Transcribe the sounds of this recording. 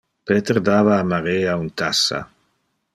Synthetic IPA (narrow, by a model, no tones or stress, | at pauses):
peːt̪eɾd̪aːvaːmaɾeaunt̪asa̰